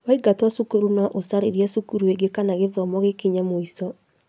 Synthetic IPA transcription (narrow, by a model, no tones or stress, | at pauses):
waiɡatwasukuɾunaʔosaɾeɾiasukuɾueɡekanaɣeðɔmɔɣekiɲamoisɔ